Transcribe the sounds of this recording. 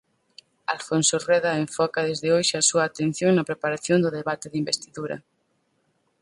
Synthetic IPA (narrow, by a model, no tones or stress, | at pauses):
alfonsorɛðɐeɱfɔkɐðezðɪojʃɪasuɐːt̪en̟θjoŋnɐpɾepaɾaθjond̪ʊðeβat̪ɪðimbest̪iðuɾɐ̰